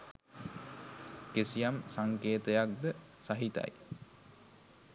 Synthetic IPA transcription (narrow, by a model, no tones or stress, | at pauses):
kesijamsaŋkeːt̪əjak̚d̪ə | saɦit̪a̰j